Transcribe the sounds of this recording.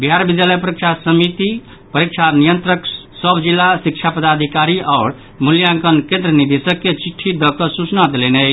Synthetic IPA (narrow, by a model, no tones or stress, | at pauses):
bijɦaɾbid̪jaləjpəɾikt͡ʃʰasəmit̪i | pəɾik̚t͡ʃʰanijənt̪ɾəksəbd͡ʒilːasik̚t͡ʃʰapəd̪ad̪ʱikaɾiʔaʊɾ | muljaŋkənkẽnd̪ɾənid̪esəkːet͡ʃiʈʰːid̪ɔkəsut͡ʃnad̪elenət͡ʃʰ